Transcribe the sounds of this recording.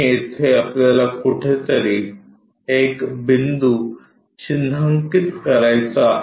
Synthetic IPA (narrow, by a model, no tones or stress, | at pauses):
ɪt̪ʰeɐpt̪alakuʈʰet̪ɐɾiːk | eːkbɪnd̪u | t͡ʃɪnʱəŋkɪt̪kɐɾajt͡sa